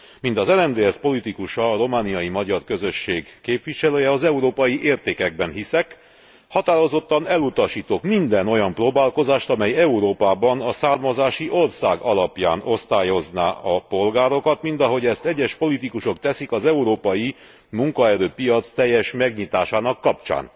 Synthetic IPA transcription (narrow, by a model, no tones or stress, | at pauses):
mint̪ɒzɛlɛnd̪eːɛspo̞lit̪ikuʃɒːɾo̞maːnijɒjimɒɟɒrkø̞zø̞ʃːeːɡkeːpʋiʃɛløːjɛɒzɛuɾoːpɒjiʔeːrt̪eːkɛɡ̚bɛnɦisɛk | hɒt̪aːɾo̞zo̞t̪ːɒnɛlut̪ɒʃiːt̪oːkmind̪ɛno̞jɒmproːbaːlko̞zaːʃt̪ɒmɛjɛuɾoːpaːbɒnɒsaːrmɒzaːʃiʔo̞rsaːɡɒlɒpja̰ːno̞st̪aːjo̞zna̰ːɒpo̞lɡaːɾo̞kɒt̪mint̪ɒɦo̞ɟɛst̪ɛɟːɛʃpo̞lit̪ikuʃo̞k̚t̪ɛsikɒzɛuɾoːpɒji | muŋkɒɛɾøːpijɒt̪st̪ɛjːɛʃmɛɡɲit̪aːʃaːnɒkːɒpt͡ʃa̰ːn